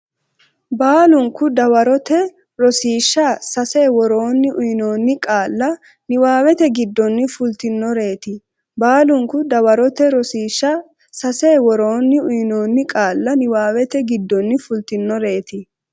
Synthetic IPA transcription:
baːlʊŋkʊd̪ɐwɐɾɔt̪ɛ | ɾɔsiːʃːɐsɐseːwɔɾo̞ːnːɪʔʊjno̞ːnːɪkʼaːlːɐ | nɪwaːwɛt̪ɛɡɪd̪ːɔnːɪfʊlt̪ɪnːɔɾe̞ːt̪ɪ | baːlʊŋkʊd̪ɐwɐɾɔt̪ɛɾɔsiːʃːɐ | sɐseːwɔɾo̞ːnːɪʊjno̞ːnːɪkʼaːlːɐnɪwaːwɛt̪ɛɡɪd̪ːɔnːɪfʊlt̪ɪnːɔɾe̞ːt̪ɪ

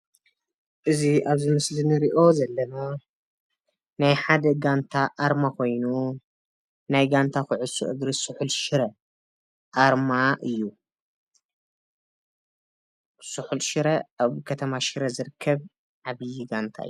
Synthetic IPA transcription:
ʔɨziʔaβzɨmɨslinɨɾiʔo̞zɐlːɐno | najħad̪ɐɡant̪ʰaʔaɾmakʰo̞jnu | najɡant̪ʰaxʊʕʊsṵʔɨɡɾisɨħulʃɪɾɐ | ʔaɾmaʔɨjːu | sɨħulʃɨɾɐaβkʰɐt̪ʰɐmaʃɨɾɐzɨɾɨkʰːɐβ | ʕaβɨjiɡant̪ʰa̰ɨ̰jːu

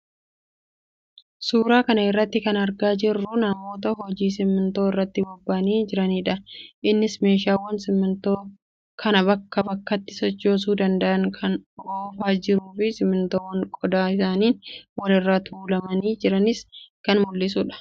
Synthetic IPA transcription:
suːɾaːkɐnɐɪrːɐt̪ːɪkɐnɐɾɡaːd͡ʒɪrːʊnɐmːo̞ːt̪̬ɐɦɔd͡ʒiːsɪmːɪnt̪o̞ːɪrːɐt̪ːɪbɔbːaːniːd͡ʒɪɾɐniːᶑɐʔɪnːɪsme̞ːʃaːwːɐnsɪmːɪnt̪oː | kɐnɐbɐkːɐbɐkːɐt̪ːɪsɔt͡ʃːo̞ːs̬uːd̪ɐnd̪ɐʔɐŋkʰɐnoːfaːd͡ʒɪɾuːfɪsɪmɪnt̪oːwɐŋkʼɔd̪aːɪsaːniːnwɐlɪrːaːt̪ʰuːlɐmɐniːd͡ʒɪɾɐnɪskɐnmʊlːɪs̬uːᶑɐ̥

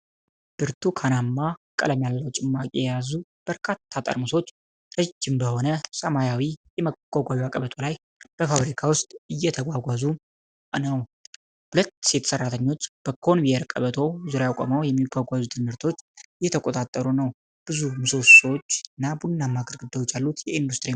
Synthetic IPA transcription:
b̥ɨɾt̪ʰukʰanamːakʼə̰ləmjalːəwt͡ʃʼɪmːakʼijɛjazub̥əɾkʰat̪ʰːat̪ʼə̰ɾmɨso̞t͡ʃː | ɾəd͡ʒːɪmbəho̞nəsəmajawijɛməɡ̥ʷaɡʷajiakʼəβət̪ʰo̞laj | b̥əfabɾikʰawʊst̪ʼɨjːɛt̪ʰəɡʷaɡʷazu | nəw | hʊlət̪ːset̪ʰsərːat̪ʰəɲːo̞t͡ʃːb̥əkʰo̞nvieɾkʼə̰βət̪ʰo̞zuɾajakʼo̰mawjɛmːiɡʷaɡʷazut̪ʰɨnɨɾt̪ʰo̞t͡ʃːjɛt̪ʰəkʷʼo̞t̪ʼat̪ʼːəɾunəw | b̥ɨzumɨsoswot͡ʃːɨnːabunːamːaɡəɾɡɨd̪ːawot͡ʃːjalːut̪jɛind̪ust̪ʼɨɾi

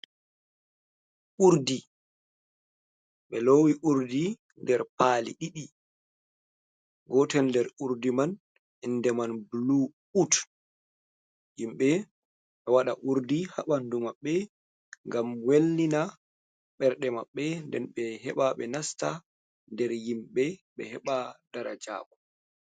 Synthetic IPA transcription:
ʔuɾdi | ɓɛlowiʔuɾdi | ndɛɾpaːlḭɗiɗi | ɡɔtɛndɛɾuɾdiman | indɛmanblu | ut | jimɓɛ | ɓɛwaɗaʔuɾdiha̰ɓandumaɓːɛ | ŋɡamwelːina | ɓɛɾɗɛmaɓːɛndɛnɓɛɦɛ̰ɓaɓɛ̰nasta | ndɛɾjimɓɛɓɛ̰hɛɓad̥aɾad͡ʒa̰ːkɔ

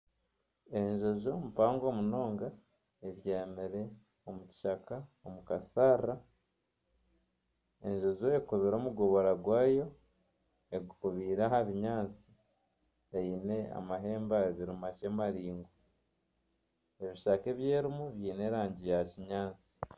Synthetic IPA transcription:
e̞ɲʒo̞zo̞mupaːŋɡoːmuno̞ːŋɡa | eβjeːmiɾe̞ | omuci̥ʃakaomukasaːra | e̞ɲʒo̞zo̞ekuβiɾo̞ːmuɡo̞βo̞ɾaɡwaːjo̞ | eɡukuβiːɾaɦaβiɲaːnt͡si̥ | eiːne̞a̰maɦe̞ːmbaβiɾumaʃe̞maɾiːŋɡo | e̞βiʃake̞βjeːɾimuβjiːne̞ɾaːɲɟijaciɲaːnt͡si̥

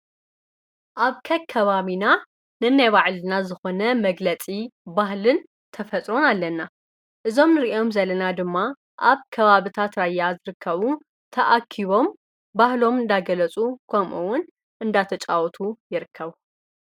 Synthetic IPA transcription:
ʔaβkʰɐkʰːɐβaβina | nɨnajβaʕlɨnazɨxo̞nɐmɐɡlɐt͡sʼibahlɨn | t̪ʰɐfɐt͡s̪ʼɾo̞nalːɐnːa | ʔɨzo̞mnɨɾiʔo̞mzɐlɐnad̪ɨmːa | ʔaβkʰɐβaβɨt̪ʰat̪ɾajːazɨɾɨkʰːɐβu | t̪ʰɐʔakʰiβo̞m | bahlo̞mɨnd̪aɡɐlɐt͡sʼukʰɐmʔuwʊn | ʔɨnd̪at̪ʰɐt͡ʃʼawɔt̪ʰujɪɾɨkʰːɐβu

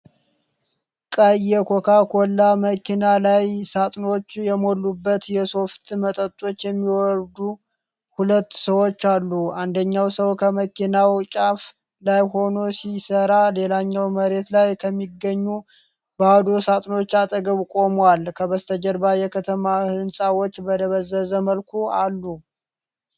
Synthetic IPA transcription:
kʼəjɛkʰokʰakʰolːaməkʰinalajsat̪ʼno̞t͡ʃːjɛmo̞lːubːət̪jɛso̞ft̪ʰmət̪ʼət̪ʼːo̞t͡ʃːjɛmːiwɔɾd̪u | hulət̪ːsəwo̞t͡ʃːalːuand̪əɲːawsəwkʰəməkʰinawt͡ʃʼaf | lajɦo̞no̞sisəɾale̞laɲːawməɾe̞t̪lajkʰəmːiɡəɲːu | bəad̪o̞sat̪ʼno̞t͡ʃːat̪ʼəɡəβkʼo̞mwalkʰəβəst̪ʰəd͡ʒəɾbajɛkʰət̪ʰəmahɨnsʼawot͡ʃːbəd̪əβəzəzəməlkʰualːu

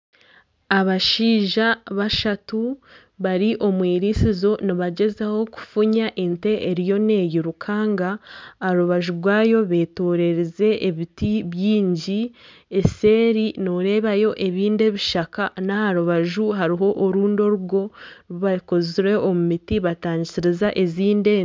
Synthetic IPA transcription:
aβaʃiːʒaβaʃatu | βaɾiʔo̞mwiːɾisizo̞niβaɟe̞zaho̞ku̥fuɲaʔente̞ʔeɾijo̞ne̞ːjiɾukʰaːŋɡaːɾuβaʒuɾɡwaːjo̞βe̞ːtoːɾe̞ɾeze̞ʔːβitiβjiːɲɟi | ese̞ːɾinoɾe̞ːβajo̞ʔe̞βiːnde̞βiʃakanahaɾuβaʒuɦaɾiɦo̞ʔːɾuːndo̞ɾuɡo̞βakoziɾe̞omumitiβataːɲɟisiɾizaʔe̞ziːnde

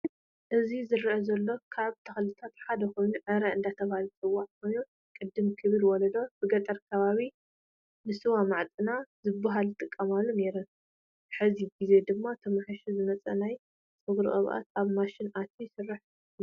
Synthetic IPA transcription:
ʔɨzizɨɾʔɐzɐlːo̞kʰaβt̪ʰɐxlɨt̪ʰat̪ħad̪ɐxo̞jnuʕɨɾɐɨnd̪at̪ʰɐβahalt͡sʼɨwːaʕkʰojnu | kʼɨd̪ːɨmkʰɨβɨlwɔlɐd̪o̞b̥ɨɡɐt̪ʼɐɾkʰɐβaβi | nɨsɨwamaʕt̪ʼɨnazɨbːaɦalɨt̪ʼɨkʼːɐmalːone̞ɾɐn | ħɨziɡize̞d̪ɨmːat̪ʰɐmaħɨʃizɨmɐt͡sʼɐ̰naj | t͡sʼɨɡɾɨ̰ʔʼɐ̰βʔa̰t̪aβmaʃɪnʔat̪ʰisɨrːɨħ

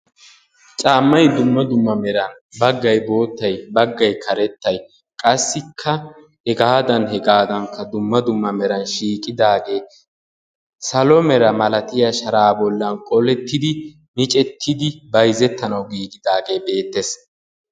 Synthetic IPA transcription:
t͡ʃʼaːmːɐjd̪ʊmːɐd̪ʊmːɐmɛɾɐn | bɐɡːɐjbo̞ːt̪ːɐjbɐɡːɐjkʰɐɾɛt̪ːɐj | kʼɐsːɪkʰːɐ | ɛɡaːd̪ɐnhɛɡaːd̪ɐŋkːɐd̪ʊmːɐd̪ʊmːɐmɛɾɐnʃiːkʼɪd̪aːɡe̞ː | sɐlɔmɛɾɐmɐlɐt̪ɪjɐʃɐɾaːbɔlːɐnkʼɔlɛt̪ːɪd̪ɪ | mɪt͡ʃʼɛt̪ʰːɪd̪ɪbɐjzɛt̪ːɐnɐwɡiːɡɪd̪aːɡe̞ːbe̞ːt̪ːes

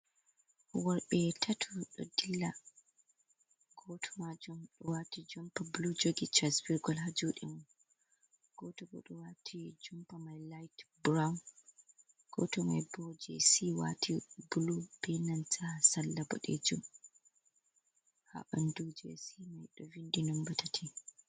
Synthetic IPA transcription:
wɔɾɓɛtʰatʰuɗɔ̰dilːa | ɡ̥ɔtʰɔmad͡ʒumɗɔwatid͡ʒɔmpablud͡ʒoɡit͡ʃasbiɾɡɔlɦad͡ʒuɗɛmɔn | ɡ̥ɔtɔbɔ̰ɗɔwatʰid͡ʒɔmpamajlajtbɾawn | ɡ̥ɔtɔmajbɔd͡ʒɛ̰siwa̰tʰibulub̥inantasalːabɔ̰ɗɛd͡ʒum | ha̰ʔandud͡ʒɛsimajɗɔvindinɔmbatʰatʰi

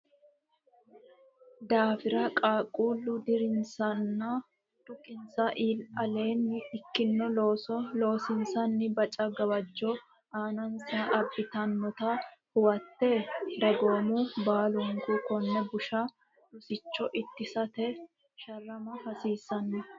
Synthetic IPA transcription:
d̪aːfɪɾɐkʼaːkʼuːlːʊd̪ɪɾɪnsɐnːa | t̪ʊkʼːɪnsɐʔiːlɐleːnːɪɪkːɪnːɔloːsɔlo̞ːsɪnsɐnːɪbɐt͡ʃʼɐɡɐwɐd͡ʒːɔ | aːnɐnsɐʔɐbːɪt̪ɐnːɔt̪ahʊwɐt̪ːed̪ɐɡo̞ːmuːbaːlʊŋkuːkɔnːɛbʊʃa | lʊsɪt͡ʃːɔʔɪt̪ːɪsɐt̪ɛ | ʃɐrːɐmɐhɐsiːsɐnːɛ

